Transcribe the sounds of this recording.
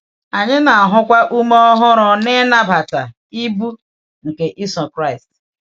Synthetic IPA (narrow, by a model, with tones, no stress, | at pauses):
a˨ɲɪ˦na˨a˨ɦʊ˦kʷa˦ʔu˦m˦ɔ˦ɦʊ˦ɾʊ˨ne˦na˦ba˨ta˨ | i˦bu˦ | ŋ̩˨ke˨ʔi˦sɔ˨kɾa˦ɪ˨st